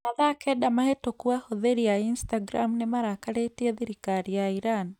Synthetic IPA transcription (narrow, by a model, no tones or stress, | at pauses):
aðakɛdamahetokuahoðeɾiainstaɡɾamunemaɾakaɾetiɛðiɾikaɾijaiɾani